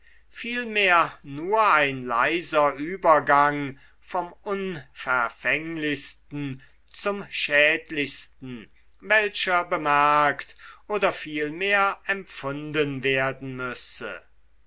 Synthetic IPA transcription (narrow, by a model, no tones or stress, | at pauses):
fiːlmeːɐnuːɐaɪnla̰ɪzɐʔyːbɐɡaŋ | fɔmʊnfɛɐfɛŋlɪçstn̩ | t͡sʊmʃɛːtlɪçstn̩ | vɛlʃɐbəmæɐktʔoːdɐfiːlmeːɐɛmfʊndənveːɐdn̩mʏsə̰